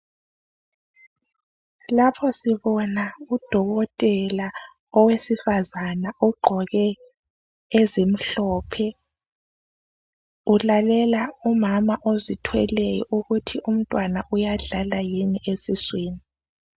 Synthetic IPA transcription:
lapʰɔsiβɔnaud̥ʱɔɣɔtʼɛla | ɔwesifazanaʔɔɡ͡ǃʱɔɣɛ | ezim̩ɬɔːpʰɛ | ulalɛlaumamaʔozitʰwɛlɛjɔ̰ʔuɣutʰium̩tʼwanaʔujaɮalajiniʔesisweːni

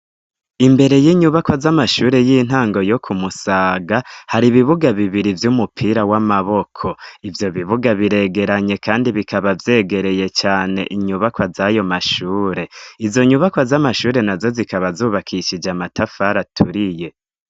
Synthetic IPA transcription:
imbe̞ɾe̞jiːɲuβakwazamaʃuːɾe̞jiːn̥ɦaːŋɡo̞jo̞kʰumusaːɡahaɾiβiβuɡaβiβiɾivjumupʰiːɾawamaβo̞kʰo̞ivjo̞βiβuɡaβiɾe̞ɡe̞ɾaɲe̞kʰaːndiβikʰaβavje̞ːɡe̞ɾe̞je̞t͡ʃaːne̞̰ʔiɲuβakwazajo̞maʃuːɾe̞izo̞ɲuβakwazamaʃuːɾe̞nazo̞zikaβazuːβakʰiʃid͡ʒamatʰafaɾatʰuɾije̞

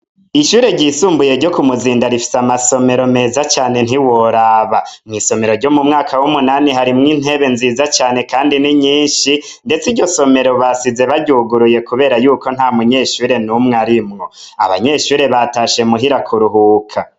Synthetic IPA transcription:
iʃuːɾe̞ɟisuːmbuje̞ɾɟo̞kumuziːndaɾifi̥samaso̞me̞ɾo̞me̞ːzat͡ʃaːne̞n̥hiwo̞ɾaβamŋiːso̞me̞ɾo̞ɾɟo̞mumŋaːkawumunaniɦaɾimŋiːn̥e̞βe̞nziːzat͡ʃaːne̞kaːndiniɲiːnʃi | nde̞t͡sidɟo̞so̞me̞ɾo̞βasize̞βaɟuːɡuɾuje̞kuβe̞ːɾajuːko̞n̥haːmuɲeʃuːɾe̞numŋeaɾimŋo̞ | a̰βa̰ɲe̞ːʃuːɾe̞βataʃe̞muɦiɾakʰuɾuɦuːkʰa

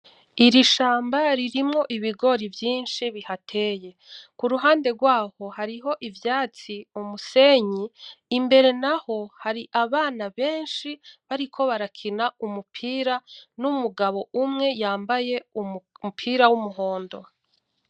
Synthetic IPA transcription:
iɾiʃaːmbaɾiɾimŋo̞ʔiβiɡo̞ɾivjiːnʃiβihatʰe̞ːje̞ | kuɾuɦaːnde̞ɡwaːho̞haɾiɦo̞ʔivjaːt͡siumuse̞ɲiːmbe̞ɾe̞naho̞haɾiʔaβaːnaβe̞ːnʃiβaɾikʰo̞βaɾakʰinaumupʰiːɾanumuɡaβo̞ʔumŋe̞jaːmbaje̞umupʰiːɾawumuɦo̞ːndo̞

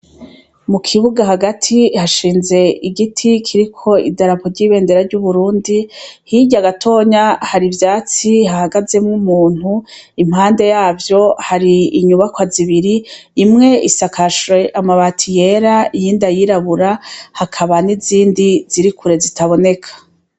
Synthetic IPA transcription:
mukʰiβuɡahaɡatʰihaʃiːnze̞iɡitʰikʰiɾikʰo̞ḭdaɾapoɾɟiːβe̞ːnde̞ɾaɾɟuβuɾuːndihiɟaɡatʰo̞ːɲahaɾivjaːt͡sihahaɡaze̞mŋumuːn̥huim̥haːnde̞jaːvjo̞haɾiːɲuβakwaziβiɾiːmŋe̞isakʰaʃweʔamaβatʰije̞ɾaijiːndajiɾaβuɾahakʰaβaniziːndiz̥iɾikuɾe̞zitaβo̞ne̞kʰḁ

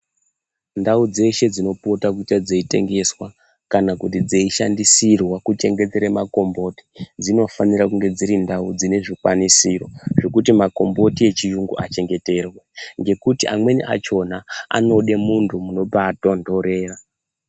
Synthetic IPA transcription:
ndaud͡ze̞ʃe̞d͡zino̞potakutad͡zeite̞̰ŋɡe̞swa | kanakutid͡zeiʃandisirwakut͡ʃe̞ŋɡe̞t͡seɾemako̞mbo̞ti̥d͡zino̞faniɾakuŋɡe̞d͡ziɾindaud͡zine̞ʐikwanisiro̞ʐe̞kutimako̞mbo̞tie̞t͡ʃiʒuŋɡṵʔat͡ʃe̞ŋɡe̞te̞rweŋɡe̞kutiʔa̰mwe̞nḭʔa̰t͡ʃo̞naa̰no̞ɗe̞muntʰumuno̞pato̞ndo̞ɾe̞ːra

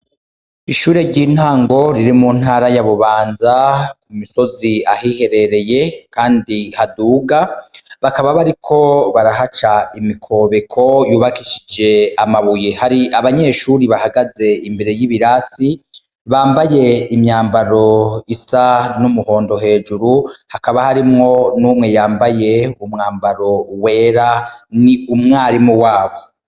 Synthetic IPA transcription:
iʃuːɾe̞ɾɟiːn̥haːŋɡo̞ɾiɾimuːn̥haːɾajaβuβaːnzakumiso̞ziahihe̞ɾe̞ɾe̞je̞kaːndihaduːɡaβakaβaβaɾikʰo̞βaɾahat͡ʃaimikʰo̞βe̞kʰo̞juːβakiʃid͡ʒe̞amaβujehaɾiʔaβaɲe̞ʃuɾiβahaɡaze̞imbe̞ɾe̞jiβiɾasi | βaːmbaje̞imɲaːmbaɾo̞isanumuho̞ːndo̞ɦe̞ːd͡ʒuɾuhakaβahaɾimŋo̞nuːmŋe̞jaːmbaje̞umŋaːmbaɾo̞we̞ːɾaniumŋaːɾimuwaːβo̞

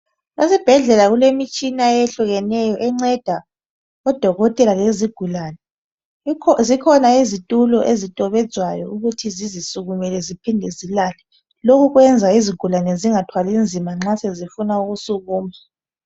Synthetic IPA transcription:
lezib̥ʱɛɮɛlaɣulemit͡ʃʼinaɛɛɬuɣɛnɛjɔʔɛŋ͡ǀɛd̥ʱa | ɔd̥ʱɔɣɔtʼɛlaleziɡ̥ʱulaːnɛ | zikʰɔnaizitʼulɔʔezitʼɔβɛd̥z̥ʱwajɔuɣutʰizizisuɣumɛlɛzipʰindʱɛzilalɛ | lokuɣwɛnd͡zʱaiziɡ̥ʱulanɛziŋatʰwalind͡zʱimaŋ͡ǁasɛzifunauɣusuɣuːma

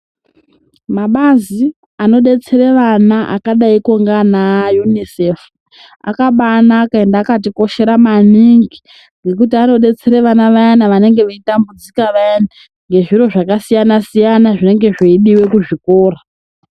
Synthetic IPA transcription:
maɓazi | ano̞ɗe̞t͡se̞ɾeʋanaʔa̰kaɗaiko̞ŋɡanajunise̞fu | a̰kaɓanaːkae̞ndaːkat̬iko̞ʃe̞ɾamaniŋɡi | ŋɡe̞k̬utiano̞ɗe̞t͡seɾeʋanaʋajanaʋane̞ŋɡe̞ʋeitambud͡zikaʋajana | ŋɡe̞ʐiɾo̞ʐakasijanasijanaʐine̞ŋɡe̞ʐiiɗiwe̞kuʐiko̞ːra

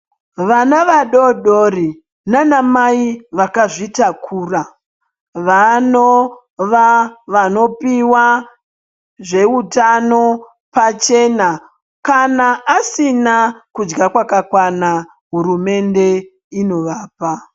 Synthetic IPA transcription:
ʋanaʋaɗo̞ɗori | nanamaiʋakaʐitakʰuːra | ʋano | ʋaʋano̞piwa | ʐe̞utano̞ | pat͡ʃe̞na | kanaʔːsinakud͡ʒɡakwakakwana | ɦuɾume̞nde̞ | ino̞ʋaːpa

